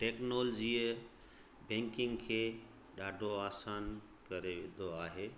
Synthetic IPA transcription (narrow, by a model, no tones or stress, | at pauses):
ʈeknold͡ʒie | bɛ̃ŋkiŋɡkʰe | ɖaɖoasan | kəɾebed̪oaɦe